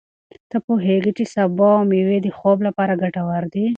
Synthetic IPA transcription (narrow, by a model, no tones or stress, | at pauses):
t̪əpoɦeɡit͡ʃesabamiwed̪əxoblapɑɾaɡaʈawaɾd̪i